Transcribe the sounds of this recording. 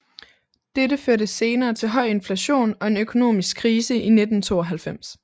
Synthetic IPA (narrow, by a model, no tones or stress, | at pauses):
d̥edəføɐdəse̝ːnɐːt͡sʰe̝lɦɒ̽ɪ̰e̝nflæɕo̝̰ːnɒ̽e̝nøkʰo̝no̝̰ːmisɡ̥kʰːʁiːsəʔined̥n̩t͡sʰo̝̰ːɒɦælfem̰s